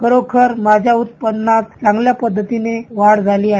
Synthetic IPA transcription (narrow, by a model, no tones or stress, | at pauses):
kəɾokʰəɾmad͡ʑʱjaut̪̚pəd̪nat̪̚t͡sãŋɡljapəd̪ʱːət̪ineʋaɽd͡zʱaliːaɦe